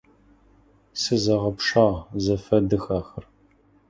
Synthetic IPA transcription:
sɨzɐʁɐpʂaːʁzɐfɐdɨxaːxɐr

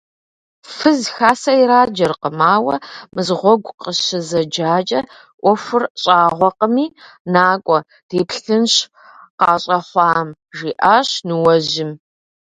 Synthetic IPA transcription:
fɨzxaːsɐjɾaːd͡ʒɐrqəmaːwɐ̰mɨzʁʷɔɡʷqʼəʃɪzɐd͡ʒaːt͡ʃʼɐ | ʔʷɔfʷʊrɕʼaːʁʷɔqəmiːnaːkʷʼɔ | d̥eːpʰɬɨnɕ | qɑːɕʼɐχʷɑːm | ʒiːʔaːɕnɨwɐʒʑɪm

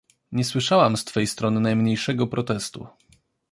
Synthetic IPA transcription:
ɲɛswɘʂawamst̪fɛjst̪ɾɔnɘnajmɲejʂɛɡɔpɾɔt̪ɛst̪ṵ

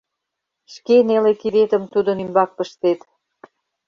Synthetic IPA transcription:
ʃkenelekiɾet̪ə̆mt̪ud̪ə̆nymbɑk̚pəʃt̪et̪

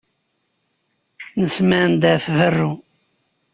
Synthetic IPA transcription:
nəsmænd̪æfvərːu

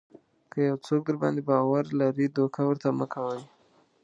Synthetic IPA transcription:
kəjawt͡sok̚d̪əɾbɑ̰nd̪ebɑwaɾlaɾid̪okʰawəɾt̪aməkʰawəj

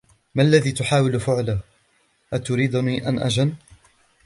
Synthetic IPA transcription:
maʔalːaðiːt̪ʊħaːwɪlfʊʕla | ʔat̪ʊɾiːd̪niːʔa̰nʔa̰d͡ʒan

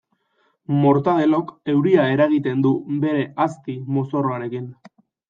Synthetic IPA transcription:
mo̞ɾt̪að̞e̞lo̞ke̞wɾiae̞ɾaɣ̞it̪e̞nd̪ube̞ɾe̞ast̪imo̞so̞roaɾe̞kin

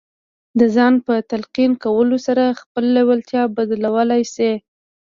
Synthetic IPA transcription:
d̪əzɑnpət̪alqinkawəlosaɾaxpəlːewalt̪jɑbad̪lawəlajse

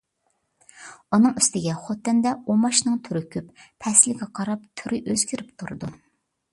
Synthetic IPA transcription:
unɨŋyst̪ɪɡʲɛχot̪ːɛnd̪ɛomɑʃnɨŋt̪ʰyɾɪkʲʰyppʰɛslɪɡʲɛqʰɑɾɑp̚t̪ʰyɾɪʔøzɡʲyɾɪpt̪ʰuɾɨ̰d̪u

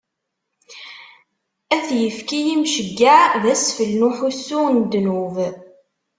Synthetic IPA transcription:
æθjəfkijimʃəɡːaðæsfəlnuħusːʊnd̪ːnuv

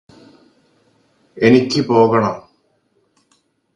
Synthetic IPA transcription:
e̞nikʲːɨpo̞ːɣɐɳɐm

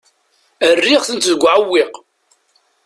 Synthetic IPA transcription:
ərːiʁθənt̪ðəɡʷːʕəwːiq

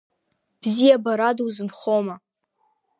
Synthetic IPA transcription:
b̥zijabaɾadwzɨnχoma

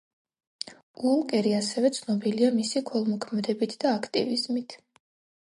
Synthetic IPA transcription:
ulkʼɛɾiasɛvɛt̪sʰnɔbiliamisikʰɔlˠmɔkʰmɛd̪ɛbit̪ʰd̪aːkʰt̪ʼḭvizmit̪ʰ

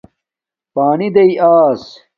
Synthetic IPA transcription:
paːnid̪ɐiaːs

